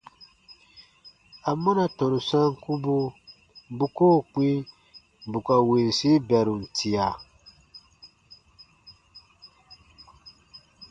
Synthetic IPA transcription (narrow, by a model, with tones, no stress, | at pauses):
a˨mɔ˦na˨tɔ̃˨nu˨sã˦ŋ˦ku˦bu˦ | bu˦koː˦˨k͡pĩ˦˨ | bu˨ka˨we˨n˨si˦bɛ˨ɾu˨n̩˨tʰi˨a˨